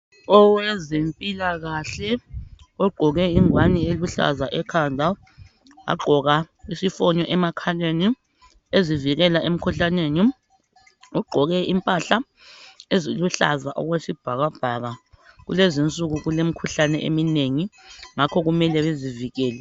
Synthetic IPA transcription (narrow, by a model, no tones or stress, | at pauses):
ɔwɛzempʼilaɣaɬɛɔɡ͡ǃʱɔɣɛiŋwanieluɬa̰zaʔɛkʰandʱa | a̰ɡ͡ǃʱɔɣa | isifɔɲɔʔɛmakʰaleni | eziviɣɛlaʔem̩kʰuɬaneːni | ɔɡ͡ǃʱɔɣɛimpʼaɬa | eziluɬa̰zaʔɔ̰ɣwesib̥ʱaɣab̥ʱaɣaɣṵlezint͡sʼuɣuɣulem̩kʰuɬanɛʔḛmineŋiŋakʰɔɣumɛlɛβeziviɣɛːlɛ